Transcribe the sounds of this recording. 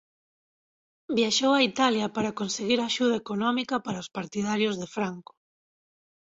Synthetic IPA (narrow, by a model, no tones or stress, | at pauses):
bjaʃowait̪aljɐpaɾakonseɣiɾaʃuð̞ɐekonɔmikɐpaɾaospaɾt̪iðaɾjozðefɾaŋko̥